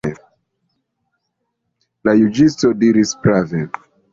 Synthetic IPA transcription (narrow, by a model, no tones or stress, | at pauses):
lajud͡ʒistodiɾisbɾave